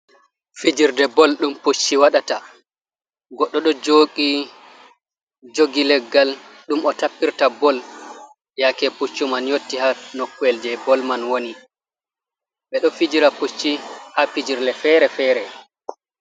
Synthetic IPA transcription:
fid͡ʒiɾdɛbɔlɗumput͡ʃːiwaɗata | ɡɔɗːɔɗɔd͡ʒoːɡi | d͡ʒoɡilɛɡːal | ɗumɔtapːiɾtabɔl | jakɛput͡ʃːumanjotːihanokːuɛld͡ʒɛbɔlmanwoni | ɓɛɗɔfid͡ʒiɾaput͡ʃːihapid͡ʒiɾlɛfɛɾɛfɛːɾɛ

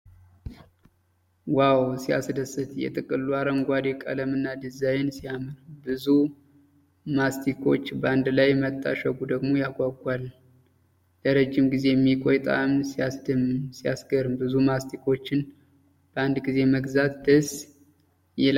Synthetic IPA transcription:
wawsija̰sd̪əsːɨt̪jɛ̰t̪ʼɨkʼɨlːuaɾəmɡʷad̪ekʼə̰ləmɨnːad̪ɨzajɛnsijamɨɾbɨzu | mast̪ʰikʰo̞t͡ʃːbəand̪lajmət̪ʼːa̰ʃəɡud̪əɡmo̞jaɡʷaɡʷal | ləɾəd͡ʒːɪmɡize̞jɛmːikʼojt̪ʼa̰msijasd̪ɨmsijasɡəɾɨmbɨzumast̪ʰikʰo̞t͡ʃːɪn | b̥əand̪ɡize̞məɡzat̪d̪əs | jɛl

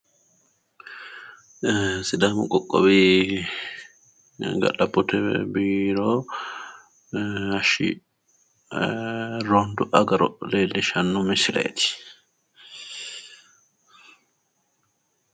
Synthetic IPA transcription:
sɪd̪aːmʊkʼɔkʼːɔ̰bi | ɡɐ̰ɗɐbɔt̪ʰɛ̰biːɾo | ɐʃḭ | ɾond̪ʊʔɐɡɐɾɔ̰leːlːɛʃɐnːʊmɪsɪlḛt̪ɪ̥

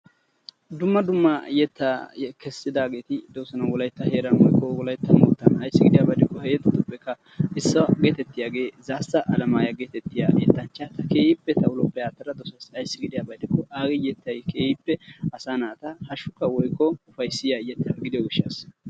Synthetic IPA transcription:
d̪ʊmːɐd̪ʊmːɐjɛt̪ːɐkɛsːɪd̪aːɡe̞ːt̪ɪd̪oːsɐnɐwɔlɐjt̪ːɐheːɾɐnwɔjkːɔwɔlɐjt̪ːɐmʊt̪ːɐnɐjsːɪɡɪd̪ɪjaːbɐd̪ɪkːɔhɛjɛt̪ːɐt̪ːɔpːɛkːɐ | ɪsːɐɡeːt̪ɛt̪ːɪjaːɡe̞ːzaːsɐʔɐlɐmaːjɐɡeːt̪ɛt̪ːɪja̰ːjɛt̪ːɐnt͡ʃːɐt̪ɐke̞ːjɪpːɛt̪ɐʊlɔpːɛjaːt̪ːɐɾɐd̪ɔsɐsɐjsːɪɡɪd̪ɪjaːbɐjd̪ɪkːɔʔaːɡɪjɛt̪ːɐjkeːjɪpːɛɐsaːnaːt̪ɐhɐʃʊkːɐwɔjkːɔʊfɐjsːɪjajɛt̪ːɐɡɪd̪ɪjɪʃɐs

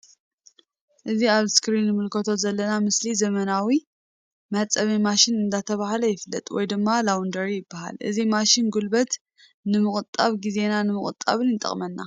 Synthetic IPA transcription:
ʔɨziaβskɾinːɨmɨlkʰɐt̪ʰo̞zɐlːɐnamɨslizɐmɐnawi | mɐt͡sʼɐβimaʃɪnɨnd̪at̪ʰɐβahlɐjɪflːɐ̰t̪ʼwɔ̰jd̪ɨmːalawnd̪ɐɾijɪbːaha̰lʔɨ̰zimaʃɪnɡulbɐt̪ | nɨmɨχʼɨt̪ʼːaβɡize̞nanɨmɨkʼɨ̰t̪ʼːa̰βɨnɨnt̪ʼɐ̰χʼmɐnːa̰

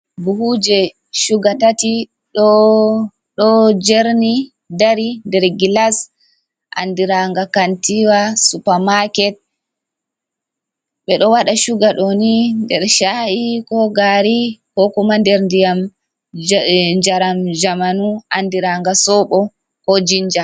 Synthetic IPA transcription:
buhud͡ʒɛ | ʃuɡatati | ɗɔ | ɗɔd͡ʒeɾni | daɾindɛɾɡilas | ʔa̰ndiɾaŋɡakantiwasupamakɛt̚ | ɓɛɗɔwaɗaʃuɡaɗɔnindɛɾʃahikɔɡaɾihɔkumandɛɾndijam | d͡ʒaɾamd͡ʒamanuʔandiɾaŋɡasɔɓɔ | hod͡ʒind͡ʒa

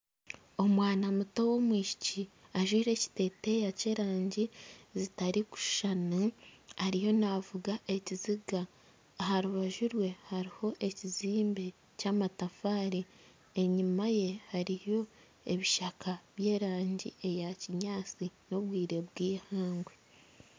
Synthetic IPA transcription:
o̞mwaːnamuto̞wo̞mwiːʃi̥ciaʒwiːɾe̞ci̥te̞ːte̞jace̞ːɾaːɲɟizitaɾiku̥ʃanuaɾijo̞navuɡaʔe̞ciziɡaː | haɾuβaʒuɾwe̞haɾiho̞ʔe̞ciziːmbe̞ | caːmatafaːɾi | e̞ɲimaje̞haɾijo̞ | e̞βiʃakʰaβje̞ːɾaːɲɟie̞jaciɲaːt͡sino̞βɡwiːɾe̞βɡiːhaːŋɡwe

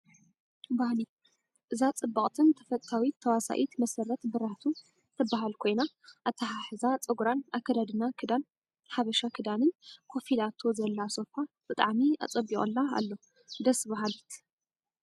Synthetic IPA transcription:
bahli | ʔɨzat͡sʼɨbːɐχʼt̪ʰɨnt̪ʰɐ̥fɐt̪ʼt̪ʰawit̪ʰːɐwasa̰ʔit̪mɐsɐɾɐt̪bɨɾaht̪ʰu | t̪ʰɐbaɦalkʰo̞jna | ʔat̪ʰːɐħaħɨzat͡sʼɨɡuɾanʔakʰɐd̪ad̪ɨnakʰɨd̪an | ħaβɐʃakʰɨd̪anɨnkʰo̞filat̪ʰo̞zɐlːaso̞fab̥ɨt̪ʼaʕmia̰t͡sʼɐbːiχʼɨ̰lːaa̰lːo | d̪ɐsbaɦalit̪ʰ

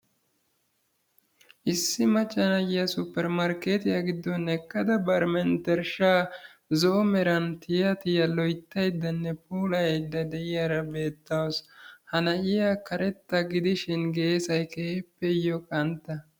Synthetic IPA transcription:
ʔɪsːɪmɐt͡ʃːɐnɐjɪjɐsʊpːɛɾmɐɾkeːt̪ɪjɐɡɪd̪ːɔnɛkːɐd̪ɐbɐɾmɛnt̪ɛɾʃaː | zɔːmɛɾɐnt̪ɪjɐt̪ɪjɐlɔjt̪ːɐjd̪ːɐnːɛpuːlɐjɐjd̪ːɐd̪ɛʔɪjaɾɐbe̞ːt̪ːɐwɔshɐnɐʔɪjɐkɐɾɛt̪ːɐɡɪd̪ɪʃɪnɡe̞ːsɐjkepːɛjɔkʼɐnt̪ːɐ

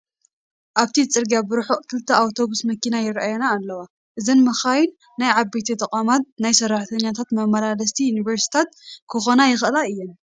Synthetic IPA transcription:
ʔaβt̪ʰit͡sʼɨɾɡjabɨɾħoʔkʰɨlt̪ʰɐawt̪ʰo̞βusmɐkinajɪɾaʔajɐnaːlːɐwa | ʔɨzɐnmɐxajunː | ajʕabet̪ʰit̪ʼɐkʼamat̪̚najsɐraħt̪ʰɐɲːat̪ʰat̪mɐmɐlalɐst̪ʰijuniβɐɾsi̥t̪ʰat̪̚kʰɨxo̞najɪxʔɨlaɨjːɛn

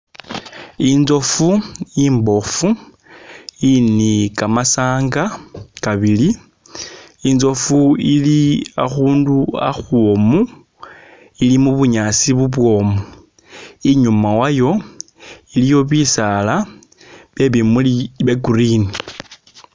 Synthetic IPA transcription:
inzo̞fuiːmbo̞fu | inikamasaːŋɡakaβili | inzo̞fuilia̰xuːndua̰xwomu | ilimuβuɲasiβuβwo̞mu | iɲumawajo̞ | ilijo̞βisala | βje̞βimuiβeɡuɾini

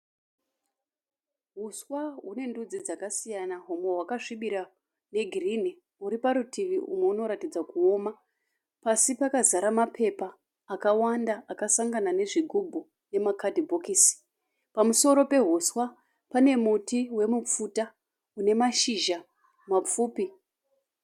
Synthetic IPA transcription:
ɦuswaɦune̞ndud͡zid͡zakasijanaɦumwe̞ɦwakaʐiɓiɾa | ne̞ɡʱirine | uɾipaɾutiʋiʔṵmweuno̞ɾatid͡zakuo̞ma | pasipakazaɾamapʰe̞paː | kawandaʔakasaŋɡanane̞ʐiɡʱubʱu | ne̞makadʱibʱokisi̥ | pamuso̞ɾo̞pe̞ɦuswa | pane̞mutiwe̞mup͡futa | une̞maʃiʒa | map͡fuːpi

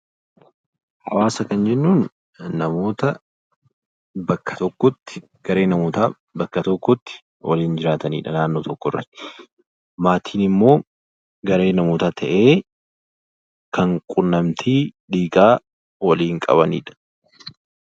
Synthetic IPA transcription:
hɐ̰waːsɐkɐnd͡ʒɛnːuːnː | ɐmo̞ːt̪ɐ | bɐkːɐ̥t̪ɔkːɔt̪ːɪ̥ | ɡ̥ɐɾe̞ːnɐmoːt̪aː | bɐkːɐt̪ɔkːɔt̪ːɪ̥ | wɐ̰liːnd͡ʒɪɾaːt̪ɐnḭːᶑɐnaːnːoːt̪ɔkːɔrːɐ̰t̪ːɪ | maːt̪ʰiːnɪmːo̞ː | ɡɐɾe̞ːnɐmoːt̪aːt̪ʰɐʔe̞ː | kɐŋkʼʊnːɐmt̪ʰiːᶑiːɡʼaː | wɐliːŋkʼɐ̰βɐnḭːᶑɐ̥

